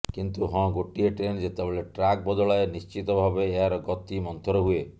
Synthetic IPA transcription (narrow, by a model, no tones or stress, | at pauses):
kint̪uɦɔ̃ɡoʈieʈɾend͡ʒet̪ebeleʈɾak̚bɔd̪ɔɭaenist͡ʃit̪ɔbʱabeːaɾɔɡɔt̪imɔnt̪ʰɔɾɔɦue